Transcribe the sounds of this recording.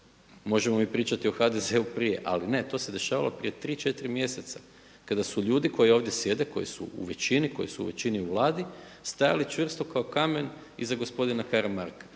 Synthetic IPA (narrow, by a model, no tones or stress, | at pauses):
mo̞ʒemo̞mipɾiːt͡ʃat̪io̞xad̪e̞ze̞upɾije̞ʔa̰line̞t̪o̞se̞d̪e̞ʃaːʋalopɾije̞t̪ɾiːt͡ʃe̞t̪iɾimje̞set̪sa | kad̪asuʎuːd̪ikʰo̞jio̞ːʋd̪je̞sje̞d̪e̞ko̞jisṵṵʋe̞t͡ʃiniko̞jḭsuṵʋe̞t͡ɕiniuʋlˠaːd̪ist̪ajalit͡ʃʋr̩st̪o̞kao̞kame̞n | izaɡo̞spo̞d̪inakaɾamaɾkḁ